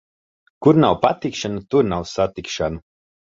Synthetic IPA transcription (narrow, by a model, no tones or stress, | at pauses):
kuɾnawpat̪ikʃanut̪uɾnawsat̪ikʃanu